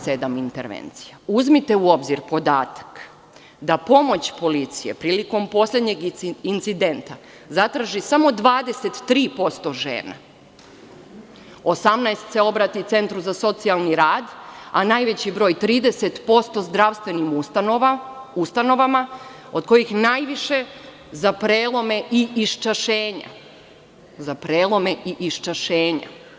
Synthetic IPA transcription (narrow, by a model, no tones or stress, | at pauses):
se̞d̪amint̪eɾʋḛnt̪si̥jauzmit̪e̞uo̞bziɾpo̞d̪aːt̪ḁk | d̪apo̞mo̞t͡ɕpo̞lit̪sije̞̰pɾiːliko̞mpo̞slʎʲe̞d̪ɲe̞ɡint̪sid̪e̞nt̪a | zat̪ɾaʒisamo̞d̪ʋaːd̪e̞se̞t̪ːɾiːpo̞st̪o̞ʒe̞̰ːna̰ | osamnajst̪se̞o̞bɾat̪iut̪se̞nt̪ɾuzaso̞t̪sialˠniɾaːd̪anajʋet͡ɕibɾo̞ːjt̪ɾiːd̪eset̪po̞st̪o̞zd̪ɾaʋst̪ʋe̞nimuanoʋaust̪ano̞ʋama | od̪ko̞jixnaːjʋiʃe̞ | zapɾeːlˠo̞me̞ʔiiʃt͡ʃaʃeːɲa̰ | zapɾeːlˠo̞me̞ʔiʔiʃt͡ʃaʃeːɲa̰